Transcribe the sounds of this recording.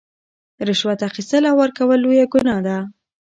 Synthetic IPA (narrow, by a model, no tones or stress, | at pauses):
ɾɪʃwat̪axist̪əlawaɾkawəlːojaɡʊnɑd̪a